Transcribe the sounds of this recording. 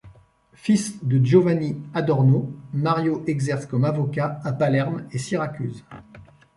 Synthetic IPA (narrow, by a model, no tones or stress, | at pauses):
fisd̪əʒovaniad̪ɔʁnomaʁjoʔɛɡzɛʁskɔmavɔkaːpalɛʁmesiʁakʲyz